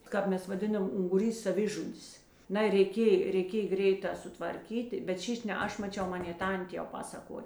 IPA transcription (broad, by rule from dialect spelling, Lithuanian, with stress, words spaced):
ˈkɑːp ˌmʲɛs ʋɐˈdʲɪnɐm ʊŋɡʊˈrʲiːs sɐˈʋʲɪʒʊdʲɪs ˈnɐɪ rʲɛɪˈkʲeːj rʲɛɪˈkʲeːj ˈɡrʲɛɪˌtɑː sʊtʋɐrʲˈkʲiːtʲɪ bʲɛt ˈʃʲiːʃʲ nʲɛ ˈɐʃ mɐˈt͡ʃʲɛʊ ˈmɑːnʲeː ˈtɐnʲtʲeː jɛʊ ˈpɑːsɐkoːj